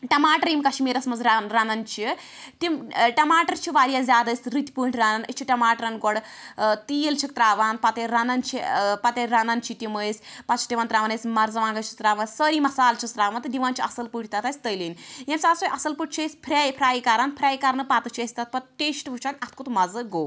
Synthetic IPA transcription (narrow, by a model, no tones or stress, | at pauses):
ʈɐmaːʈɐɾimkɐʃʰmiːɾɐsmɐnzɾaɾɐnɐnt͡ʃʰit̪imʈɐmaːʈɐɾt͡ʃʰiʋaːɾijaːzʲaːd̪ɐːsʲɾit̪ʲipuːɳʈʰɾɐnɐnət͡ʃʰiʈɐmaːʈɐɾɐnɡɔɽt̪ijlt͡ʃʰik̚t̪ɾaːʋaːnpɐt̪eɾɐnɐnt͡ʃʰipɐt̪eɾɐnɐnt͡ʃʰit̪iməːjsʲpɐt͡ʃʰi̥tiʋaːnt̪ɾaːʋɐnɐsʲmɐɾzɐʋaːŋɡɐt͡ʃʰi̥sɾaːʋaːnsʲsəːɾiːmɐsaːlt͡ʃʰisɾaːʋant̪ɨd̪iʋaːnt͡ʃʰiɐsɐlpuʈʰit̪ɐt̪aːsʲt̪əjlinjemsaːsojʔɐsɐlpuʈ̚ʰt͡ʃʰɐsʲpʰɾʲaːjpʰɾaːjkaːɾaːnpʰɾʲaːjkaɾnɨpaːt̪ɨt͡ʃʰiɐsʲt̪ɐt̪̚pɐt̪̚ʈeːsʈʋɨt͡ʃʰanʲɐt̪ʰkut̪mɐzɨɡoː